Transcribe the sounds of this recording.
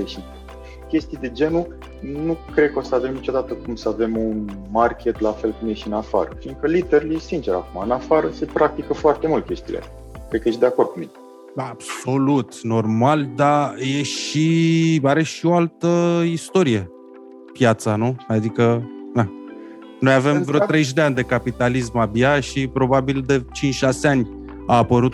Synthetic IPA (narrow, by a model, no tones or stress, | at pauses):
eʃi | kʲe̞st̪id̪e̞d͡ʒe̞nu | nukɾe̞d̪̚kəo̞səave̞mnit͡ʃo̞d̪at̪əkumsəave̞munmarkʲʰe̞t̪lafe̞lkɨnmjeʃtiɨnafa̰ɾə̰fiŋɡkəlit̪eɾuljesint͡ʃe̞ɾa̰kumaɨnafaɾəse̞pɾʔak̚t̪ikəfoart̪e̞mult̪̚kʲe̞st̪ḭlḛ | kɾed̪kəjesd̪e̞ako̞rd̪̚kumine | ab̥so̞lut̪no̞rmald̪aje̞ʃiaɾe̞ʃio̞alt̪əist̪o̞ɾije̞ | pjat̪sanuad̪ikəd̪a | no̞jave̞mvɾeot̪ɾeʒ̬d̪eanʲd̪e̞kapit̪alis̬mabjaʃipɾo̞babild̪e̞t͡ʃint͡ʃʃaseanʲ | aːpəɾut̪̚